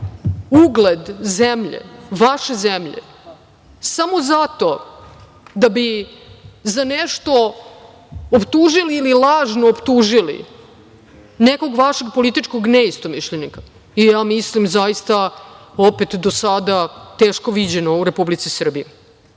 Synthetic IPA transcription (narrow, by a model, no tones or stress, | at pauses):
uɡled̪zemʎḛʋaʃe̞zemʎḛ | samo̞zat̪o̞ | d̪abi | zaneʃt̪o̞ | opt̪uʒiliːlilˠaːʒnoːpt̪uːʒilḭ | neko̞ɡʋaʃeɡpolit̪it͡ʂkoɡneist̪omiʃʎenika | ijaːmislimzajist̪aopet̪d̪osad̪at̪e̞ːʃko̞ʋid͡ʑenouɾe̞publit̪sisr̩bije